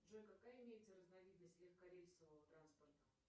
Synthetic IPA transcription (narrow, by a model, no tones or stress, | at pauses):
ʐɛnʲkɐkajɪmʲejɪt̪səɾəznavʲid̪nəsʲt̪ʲlʲixkɐɾʲelʲskəvəvət̪ɾanspərt̪ə̥